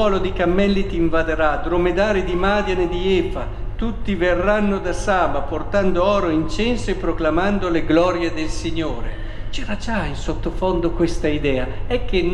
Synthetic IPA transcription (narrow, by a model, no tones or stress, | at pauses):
ɔːlod̪ikamːɛlːit̪iːɱvad̪eɾad̪ɾomed̪aːɾid̪imaːd̪janed̪iɛːfa | t̪ut̪ːiverːanːod̪asaːbaport̪and̪oɔːɾoint͡ʃɛnsoepːɾoklamand̪oleɡlɔːɾjed̪elsiɲːoːɾe | t͡ʃɛɾad͡ʒainsot̪ːofond̪okwest̪aid̪ɛːaɛkːen